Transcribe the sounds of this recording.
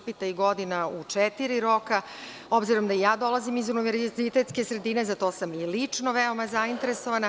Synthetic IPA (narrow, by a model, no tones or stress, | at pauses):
pit̪aiɡo̞d̪inaut͡ʂɛt̪iɾiɾo̞ka | o̞bziɾo̞md̪aijaːd̪o̞lˠazimizuniʋeɾzit̪e̞t̪ske̞sɾe̞d̪iːne̞zat̪o̞ːsamilit͡ʂno̞ʋeomazaint̪e̞ɾeso̞ʋana